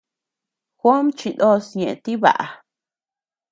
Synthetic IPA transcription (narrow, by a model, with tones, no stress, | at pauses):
xʷo˦mt͡ʃi˧d̪o˦sɲẽ˨ʔt̪i˦βa̰˨ʔa̰˨